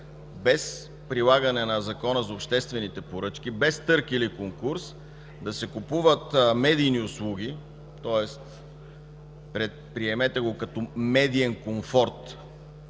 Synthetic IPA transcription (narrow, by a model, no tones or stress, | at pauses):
bɛs | pɾilˠaɡɐnɛnɐzɐkɔnəzopʃt̪ɛst̪vɛnit̪ɛpoɾɤt͡ʃk̟ibɛst̪ɤɾkilikoŋkuɾs | d̪ɐsɛkupuvət̪mɛd̪ijniʊslˠuɡ̟ʲi | t̪ɔɛst̪ | pɾɛt̪̚pɾiɛmɛt̪ɛɡokɐt̪ɔmɛd̪iɛnkoɱfɔɾt̪